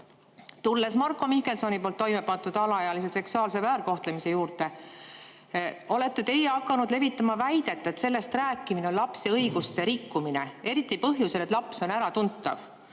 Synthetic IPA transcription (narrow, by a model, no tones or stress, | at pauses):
t̪ulːe̞smɑrkːo̞mike̞lso̞nipoːlt̪ːo̞jme̞pɑnt̪ːud̪̥ɑlɑjɑlise̞se̞ksuɑːlse̞væːɾko̞ht̪le̞mise̞juːɾt̪e̞ | o̞let̪ːe̞t̪e̞jeɑkːˑɑnud̪le̞vit̪ːˑɑmɑvæjd̪̥e̞t̪ːˑet̪se̞lːe̞st̪ræːkːˑimineonlɑpse̞ɤjɡ̥ust̪e̞ɾikːumine̞̰e̞ɾit̪ːˑipɤɦjuse̞le̞t̪lɑpso̞næɾɑt̪unt̪ːˑɑ̰v